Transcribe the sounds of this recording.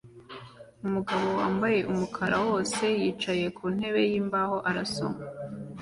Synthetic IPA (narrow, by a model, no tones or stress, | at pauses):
umuɡaβo̞waːmbaje̞ʔumukʰaɾa̰wo̞ːse̞jiːt͡ʃaje̞kʰuːn̥he̞βe̞jiːmbaho̞ʔaɾaso̰ma